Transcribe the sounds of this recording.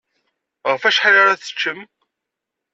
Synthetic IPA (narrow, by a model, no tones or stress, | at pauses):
ʁəfæʃħalaɾaθə̥t͡ʃːəm